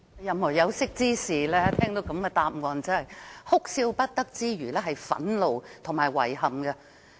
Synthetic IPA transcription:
jɐ˨mhɔː˨˩jɐ˨˧wsɪ˥k̚t͡siː˥siː˨˩lɛː˥t̪ʰɛː˥ŋt̪o˨˥wkɐ˨˧˥mkɛː˧t̪aː˧p̚ŋɔː˨nt͡sɐ˥hɐ˨jhʊ˥k̚siː˧wpɐ˥t̚t̪ɐ˥k̚t͡siː˥ɥyː˨˩lɛː˥ɦɐ˨jfɐ̰˨˥nlo˨˧wt̪ʰʊ˨˩ŋmaː˨˩jwɐ̰˨˩jɦɐ˨˩mɡɛ˧

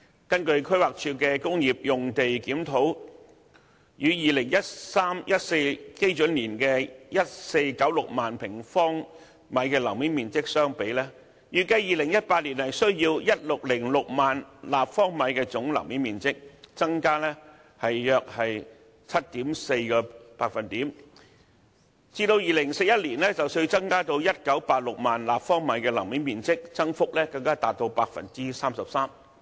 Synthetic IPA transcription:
kɐ˥nkɵ˧ɥkʰɥwaː˨k̚t͡ʃʰyː˧kɛː˧kʊ˥ŋjiː˨p̚jʊ˨ŋt̪e˨jkiː˨˥mt̪ʰo˨˥w | jyː˨˧jiː˨lɪ˨˩ŋjɐ˥t̚saː˥mjʔɐ˥t̚se˧jke˥jt͡ʃɵ˨˥nliː˨˩nkɛː˧jɐ˥t̚se˧jkɐ˨˥wlʊ˨k̚maː˨npʰɪ˨˩ŋfɔː˥ŋ | mɐ˨˧˥jkɛː˧lɐ˨˩wmiː˨˥nmiː˨nt͡sɪ˥k̚sœː˥ŋpe˨˥jlɛː˥ | jyː˨˩kɐ˧jiː˨lɪ˨˩ŋjɐ˥t̚paː˧t̚liː˨˩nhɐ˨jsɵ˥ɥjiː˧wjɐ˥t̚lʊ˨k̚lɪ˨˩ŋlʊ˨k̚maː˨nlaː˨pfɔː˥ŋmɐ˨˧˥jkɛː˧t͡sʊ˨˥ŋlɐ̰˨˩wmi˨˥nmiː˨˩nt͡sɪ˥k̚t͡sɐ˥ŋkaː˥lɛː˥ | hɐ˨jjœː˧k̚hɐ˨j | t͡sʰɐ˥t̚t̪iː˨˥mse˧jkɔː˧paː˧k̚fɐ˨nt̪iː˨˥m | t͡siː˧t̪o˧wjiː˨lɪ˨˩ŋse˧k̚jɐ˥t̚liː˨˩nlɛː˥t͡sɐ˨wsɵ˧t͡sɐ˥ŋkaː˥t̪o˧wjɐ˥t̚kɐ˨˥wpaː˧t̚lʊ˨k̚maː˨nlaː˨pfɔː˥ŋmɐ˨˧˥jkɛː˧lɐ̰˨˩wmiː˨˥nmiː˨˩nt͡sɪ˥k̚t͡sɐ˥ŋfʊ˥k̚lɛː˥kɐ˧ŋkaː˥t̪aː˨t̚t̪o˧wpaː˧k̚fɐ̰˨nt͡si˥saː˥msɐ˨p̚saː˥m

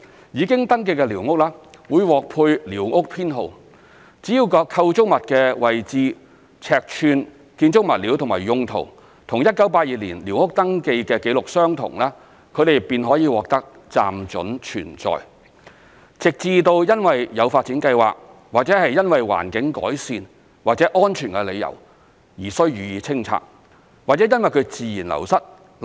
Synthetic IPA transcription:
jiː˨˧kɪ˥ŋt̪ɐ˥ŋk̬e˧jkɛ˧liː˨˩wŋʊ˥k̚laː˥wuː˨˧jwɔː˨˩k̚pʰuː˧jliː˨˩wŋʊ˥k̚pʰiː˥nɦo˨w | t͡si˨˥jiː˧wkɔː˧kʰːɐ˧wt͡sʊ˥k̚mɐ˨t̚kɛː˧wɐ˨˩jt͡siː˨˧ | t͡sʰɛː˨k̚t͡ʃʰyː˧n | kiː˧nt͡sʊ˥k̚mɐ˨t̚liː˨˥wt̪ʰʊ˨˩ŋmaː˨˩jʊ˧ŋt̪ʰo̰˨˩w | t̪ʰʊ˨˩ŋjɐ˥t̚kɐ˨˥wpaː˧t̚jiː˨liː˨˩nli˨˩wŋʊ˥k̚t̪ɐ˥ŋke˧jkɛː˧ke˨˥jlʊ˨k̚sœː˥ŋt̪ʰʊ̰˨˩ŋlɛː˥ | kʰɵ˨˧ɾe˨j̚pːiː˨˧nɦɔː˨˥jiː˨˧wɔː˨k̚t̪ɐ˥k̚ | t͡sa̰ː˨mt͡sɵ̰˨˥nt͡ʃʰy̰ː˨˩nt͡sɔ̰ː˨j | t͡sɪ˨k̚t͡siː˧t̪o˧wjɐ˥nwɐ˨˩jjɐ˨˧wfaː˧t̚t͡siː˨˥nkɐ˧jwa̰ː˨k̚ | waː˨k̚t͡sɛː˨˥hɐ˨jɐ˥nwɐ˨jwa̰ː˨˩nkɪ˨˥ŋkɔ̰ː˨˥jsiː˨˧n | waː˨k̚t͡sɛː˨˥ʔɔː˥nt͡ʃʰyː˨˩nkɛ˧le˨˧jɐ̰˨˩w | jiː˨˩sɵ˥ɥɥyː˨jiː˧t͡sʰɪ˥ŋt͡sʰa̰ː˧k̚ | waː˨k̚t͡sɛ˨˥jɐ˥nwɐ˨jkʰɵ˨˧ɥt͡siː˨jiː˨˩nlɐ̰˨˩wsɐ˥t̚

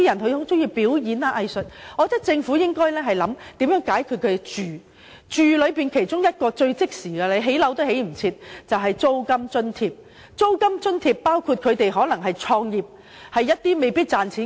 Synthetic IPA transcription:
i˥jɐ˨˩nhɵ˧ɥho˨˥t͡ʃʊ˥ŋjiː˧piː˨˥wjiː˨˧naː˧ʔɐ˧jsɵ˨˩t̚ɔː˨˧t̪ɐ˥k̚t͡sɪ˧ŋfuː˨˥jɪ˥ŋkɔː˥jlɛː˥ɦɐ˨jlɐ˨˧˥mt̪iː˨˥mjœː˨˥ŋkaː˨˥jkʰyː˨˧t̚kʰɵ˨˧˥e˨˩t͡ʃyː˨ | t͡ʃyː˨lɵ˨˧ɥpiː˨˩nkʰe˨˩jt͡sʊ˥ŋjɐ˥t̚kɔː˧t͡ʃɵ˧ɥt͡sɪ˥k̚siː˨˩ɡɛ˧le˨˧jɦe˨˥jlɐ˨˥wt̪ɐ˥he˨˥jm̩˨˩t͡sʰiː˧t̚t͡sɐ˨wɦɐ˨jt͡so˥wkɐ˥mt͡ʃɵ˥nt̪ʰiː˧p̚ | t͡so˥wkɐ˥mt͡ʃɵ˥nt̪ʰiː˧ppaː˥wkʰu˧t̚kʰɵ˨˧t̪e˨jɦɔː˨˥lɐ˨˩ŋɦɐ˨jt͡ʃʰɔː˧ŋjiː˨˩p̚ | hɐ˨jːɐ˥t̚t̪iː˥me˨jpiː˥t̚t͡saː˨nt͡sʰiː˨˥

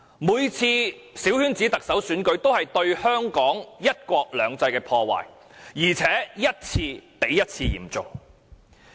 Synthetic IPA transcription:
muː˨˧jt͡sʰiː˧siː˨˥whyː˥nt͡siː˨˥t̪ɐ˨k̚sɐ˨˥wsyː˨˥nkɵ˨˥ɥt̪o˥whɐ˨jt̪ɵ˧ɥhœː˥ŋkɔː˨˥ŋjɐ˥t̚kʷɔː˧k̚lœː˨˧ŋt͡sɐ˧jkɛː˧pʰɔː˧wa̰ː˨˩j | jiː˨˩t͡sʰɛː˨˥jɐ˥t̚t͡sʰiː˧pe˨˥jːɐ˥t̚t͡sʰiː˧jḭː˨˩mt͡sʊ̰˨ŋ

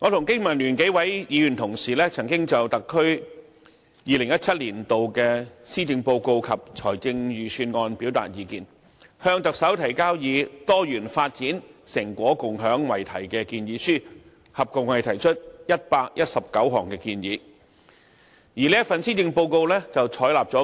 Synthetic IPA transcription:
ŋɔː˨˧t̪ʰʊ˨˩ŋkɪ˥ŋmɐ˨˩nlyː˨˩nke˨˥wɐ˨˥jjiː˨˧jy˨˩nt̪ʰʊ˨˩ŋsiː˨˩lɛː˥t͡sʰɐ˨˩ŋkɪ˥ŋt͡sɐ˨˩wt̪ɐ˨kʰːɵ˥ɥ | jiː˨˧lɪ˨˩ŋjɐ˥t̚t͡sʰɐ˥t̚liː˨˩nt̪o˨wkɛː˧siː˥t͡sɪ˨˧ŋpo˧wko˧wkʰɐ˨p̚t͡sʰɔ̰ː˨˩jt͡sɪ˧ŋɥyː˨syː˧nŋɔː˧npi˨˥wt̪a̰ː˨t̚jiː˨˧kiː˨˧n | hœː˧ŋt̪ɐ˨k̚sɐ˨˥wt̪ʰɐ˨˩jkaː˥wjiː˨˧t̪ɔː˥jyː˨˩nfaː˧t̚t͡siː˨˥nsɪ˨˩ŋkʷɔː˨˥kʊ˨ŋɦœː˨˥ŋwɐ˨˩jt̪ʰɐ˨˩jkɛ˧kiː˧njiː˨˧syː˥ | hɐ˨p̚kʊ˨ŋwɐ˨jt̪ʰɐ˨˩jt͡ʃʰɵ˥t̚jɐ˥t̚paː˧k̚jɐ˥t̚sɐ˨p̚kɐ˨˥wɦɔː˨˩ŋkɛː˧kiː˧njiː˨˧˥ | jiː˨˩li˥jɐ˥fɐ˨nsiː˥t͡sɪ˧ŋpo˧wko˧wlɛː˥t͡sɐ˨wt͡ʃʰɔː˨˥jlaː˨p̚t͡sɔː˨˥

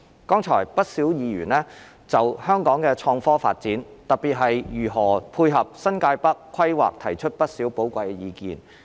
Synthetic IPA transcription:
kɔː˥ŋt͡ʃʰɔ̰ː˨˩jpɐ˥t̚siː˨˥wjiː˨˧jy̰ː˨˩nlɛː˥ | t͡sɐ˨whœː˥ŋkɔː˨˥ŋkɛː˧t͡ʃʰɔː˧ŋfɔː˥faː˧t̚t͡siː˨˥nt̪ɐ˨t̚piː˨t̚ɦɐ˨jjyː˨˩ɦɔː˨˩pʰuː˧jɦɐ˨p̚sɐ˥nkaː˧jpɐ˥kʰːwɐ˥jwa̰ː˨k̚t̪ʰɐ˨˩jt͡ʃʰɵ˥t̚pɐ˥t̚siː˨˥wpo˨˥wkʷɐ˧jɛ˧jiː˨˧kḭː˨n

